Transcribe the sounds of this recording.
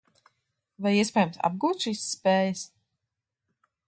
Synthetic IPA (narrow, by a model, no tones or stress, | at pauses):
vajiɛspɛːjamsa̰b̚ɡuːt̪ʃiːsːpeːjəs